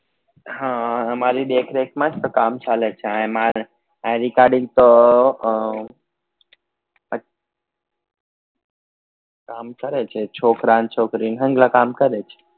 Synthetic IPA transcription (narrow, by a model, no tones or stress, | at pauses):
ɦãəmaɾiɗ̪ekʰɾekʰmãd͡ʒt̪okamt͡ʃalet͡ʃʰeãma | ãɾikaɾɖĩŋɡ̚t̪o | ə | kamkəɾet͡ʃʰet͡ʃʰokɾãnt͡ʃʰokɾinɦə̃ŋɡlakamkəɾet͡ʃʰe̥